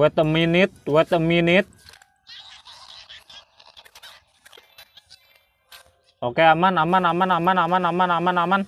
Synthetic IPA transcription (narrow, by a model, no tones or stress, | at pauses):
ɛt̪əminɪt̪̚wɛt̪əminɪt̪̚ | okeamanamanamanamanamanamanamanaman